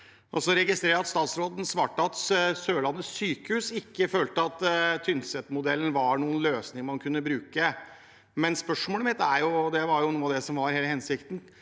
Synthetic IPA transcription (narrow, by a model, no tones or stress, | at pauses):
ɔsɔɾɛɡɪst̪ɾeːɾəɑt̪st̪ɑːt̪sɾoːd̪n̩sʋɑːʈːɑt̪ssøːɭɑnːəsyːkəhʉːsɪkːəføːlt̪əɑt̪t̪ʰːʏnsɛt̪ːmʊd̪ɛlːn̩ʋɑɳuːənløːsnɪŋmɑnkʰʉnːəbɾʉːkə | mɛnspœʂmoːləmɪt̪ːæɾjʊd̪ɛʋɑɾjʊnuːɑd̪ɛsɔmʋɑɾheːləhɛnsɪkt̪n̩